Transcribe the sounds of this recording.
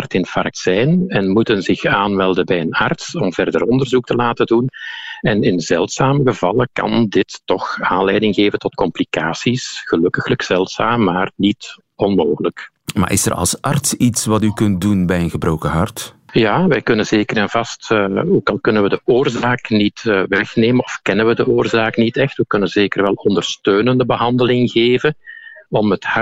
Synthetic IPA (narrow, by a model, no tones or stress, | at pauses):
rtɪnfɑrk̚tsɛjnɛnmutənzɪxaːnmɛlˠdənbɛjənɑrtsɔmvɛrdərɔndərzuk̚təlaːtədunɛnɪnzɛlˠtsaːməɣəvɑlˠəkɑ̰ndɪtːɔxaːnlɛjdɪŋɣeːvəntɔtkɔmplikaːsisɣəlɵkəxləkz̥ɛlˠtsaːmːaːrnit | ɔnmoːɣələk | ma̰ːʔɪ̰sə̰rɑ̰lˠsɑ̰rtsitsʋɑtykɵnt̚dunbɛjənɣəbrowkəɦɑrtjaːʋɛjkɵnənzeːkəranvɑstːoːkɑlˠkɵnənʋədəoːrzaːknitːʋɛxneːmənɔfkɛnənʋədəʔoːrzaːknitɛxtwəkɵnənzeːkərʋɛlˠɔndərstøːnəndəbəɦɑndəlɪŋɣeːvənɔməthɑ